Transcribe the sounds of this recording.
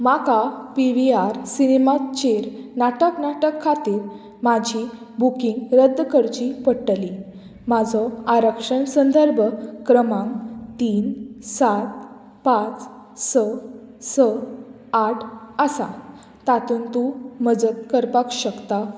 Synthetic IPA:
makapiʋiaɾsinemat̪t͡ɕeɾnaʈəknaʈəkʰːat̪iːɾ | mad͡ʑʱi | bukĩŋɡɾəd̪ʱːkəɾt͡ɕipəɽʈli | mad͡zʱɔaɾəkʂəɳsənd̪əɾbʱkɾəmãŋt̪iːnsat̪ | pãt͡s | səsə | aʈʰəsa | t̪at̪uːnt̪uməd͡zət̪̚kəɾpakɕəkt̪a

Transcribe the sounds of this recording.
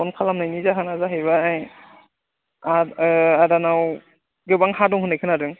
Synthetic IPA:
ɔnkʰalamnajnizaɦanazaɦɯjβaaj | aadanaw | ɡɯbaŋhadɔŋhɯnajkʰɯnadɯŋ

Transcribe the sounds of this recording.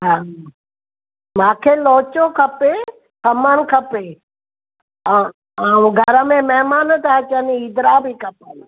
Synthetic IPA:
ɦãː | mãːkʰeloːt͡ɕõkʰɐpe | kʰɐməñkʰɐpeː | aũɡʱɐɾəmẽmɐɦmaːnət̪aət͡ɕəniid̪ɾabikɐpən

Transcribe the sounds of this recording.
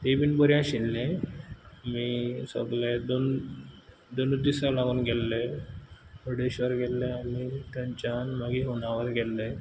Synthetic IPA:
t̪ebinbəɾjãɕilːẽ | miːsə̰ɡled̪on | d̪onud̪isalaɡuːnɡɛlːe | buɽeɕʋəɾɡɛlleanit̪ãɲt͡ɕanmaɡiɦoɳ̃aʋəɾɡɛlːe

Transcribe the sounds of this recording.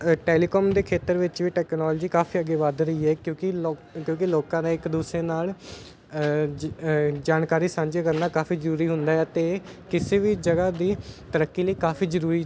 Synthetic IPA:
ʈeːliːkɔːmd̪eːkʰeːt̪əɾʋɪt͡ʃʋiːʈɛːknɔːld͡ʒiːkaːfʰiːəɡeːʋad̪ɾəiːɦɛːkjõːkɪkjõːkɪloːkãːnẽːɪkd̪uːsɾeːnaːl | d͡ʒaːnkaːɾiːsãːɲd͡ʒeːkəɾnaːkaːfʰiːzəɾuːɾiːɦʊnd̪aːɦɛːət̪eːkɪseːʋiːd͡ʒəɡaːd̪iːt̪əɾəkːiːləiːkaːpʰiːzəɾuːɾiː

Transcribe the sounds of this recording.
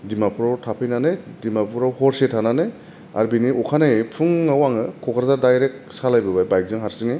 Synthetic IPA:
dimapʰuɾawtʰapʰɯjnanɯdimapʰuɾawhɔɾsetʰananɯ | a̰ɾbiniʔɔkʰanajpʰɯŋːawaŋɯkʰɔkʰaɾzaɾdajɾek̚salajbɯbajbajk̚zɯŋɦaɾsiŋi

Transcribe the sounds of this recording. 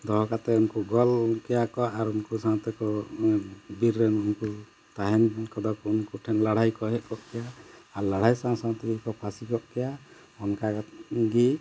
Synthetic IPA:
d̪ɔɦɔkat̪ɛunkuɡɔlkɛjakɔʔaɾunkusat̪ɛkɔ | biɾːɛnunku | t̪aɦɛnkɔd̪ɔkɔunkuʈʰɛnlaɽ̤ajkɔɦɛʔkɔʔkɛjaaɾlaɽ̤ajsasat̪ɛɡikɔpʰasikɔʔkɛja | ɔnkaɡɡi

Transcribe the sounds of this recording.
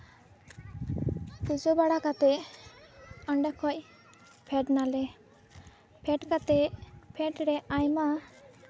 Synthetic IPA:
kud͡ʒobaɽakat̪ɛ | əɳɖakʰɔc̚ | pʰɛʈnalɛ | pʰɛʈkat̪ɛpʰɛʈɾɛajma

